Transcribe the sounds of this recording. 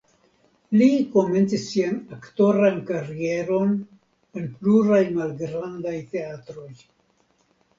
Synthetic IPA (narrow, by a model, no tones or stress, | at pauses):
liko̞me̞nt͡sisːianakto̞ɾankaɾie̞ɾo̞n | enpluɾajmalɡɾandajte̞at̪ɾo̞j